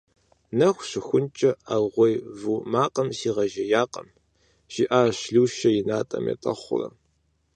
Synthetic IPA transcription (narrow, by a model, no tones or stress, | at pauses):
nɐxʷɕɪxʷʊnt͡ʃʼɐaʁʷɔjvumaːqʼɐmsiːʁɐʒɐjaːqʼɐm | ɕiʔaːɕɮuːʃɐjɪnaːtʼɐ̰mjɐ̰tʼɐχʷʊ̰rɐ̰